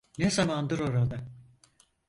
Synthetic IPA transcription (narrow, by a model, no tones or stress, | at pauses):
nezamand̪ɯɾo̞ɾad̪a